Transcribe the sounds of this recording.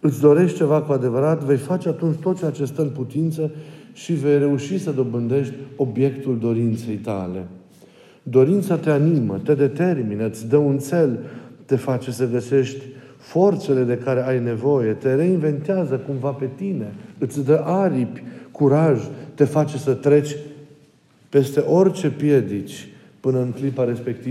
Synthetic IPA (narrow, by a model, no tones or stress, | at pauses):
ɨt̪sʲd̪o̞ɾe̞ʃt̪̚t͡ʃe̞vakuad̪e̞vəɾat̪ve̞jfat͡ʃe̞at̪unt͡ʃʲt̪o̞t̪̚t͡ʃeat͡ʃest̪əɨnput̪int̪səʃive̞jɾe̞uʃisəd̪o̞bɨnd̪e̞ʃt̪ʲo̞bje̞kt̪uld̪o̞ɾint̪se̞jt̪a̰le̞ | d̪o̞ɾint̪sat̪e̞animət̪e̞d̪e̞t̪e̞rminəɨt̪sʲd̪əunt̪se̞lt̪e̞fat͡ʃe̞səɡəse̞ʃt̪ʲ | fo̞rt̪se̞le̞d̪e̞kaɾe̞ajne̞vo̞je̞t̪e̞ɾe̞inve̞nt̪eazəkumvape̞t̪ine̞ɨt̪sʲd̪əʔaɾipʲkuɾaʒt̪e̞fat͡ʃe̞sət̪ɾe̞t͡ʃʲ | pe̞st̪e̞ʔo̞rt͡ʃe̞pje̞d̪it͡ʃʲ | pɨnəɨŋklipaɾe̞spe̞k̚t̪i